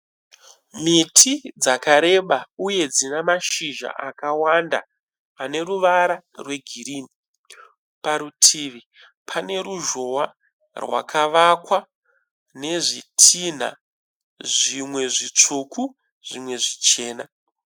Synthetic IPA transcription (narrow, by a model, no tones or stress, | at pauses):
mitʰid͡zakaɾe̞ɓauje̞d͡zinamaʃiʒa̰ʔakawanda̰ | ane̞ruʋaɾa | rwe̞ɡʱiɾiːni | paɾutʰiʋi | pʰane̞ɾuʒo̞wa | rwa̰kʰaʋakwa | ne̞ʐitʰin̤a̰ | ʐimwe̞ʐit͡ʂuku | ʐ̥imwe̞ʐit͡ʃe̞ːna